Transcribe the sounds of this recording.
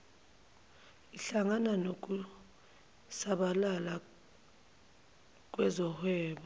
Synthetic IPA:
iɬaŋananok̬ʼu | saɓalala | k̬wɛzɔhwɛːɓɔ

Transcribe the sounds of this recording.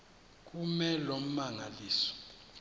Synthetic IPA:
k̬ʼumɛlom̩maŋaliːsɔ̥

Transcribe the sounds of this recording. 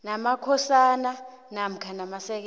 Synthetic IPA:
namakʰɔsana | nam̩kʰanamasɛk̬

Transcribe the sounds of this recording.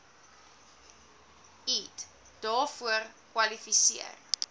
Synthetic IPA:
it | d̥ɑːfuərkwɐlifisiə̰r

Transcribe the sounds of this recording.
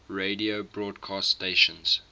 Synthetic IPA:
ɹeɪdiobɹɔːdkʰɑːststeɪʃə̃nz̥

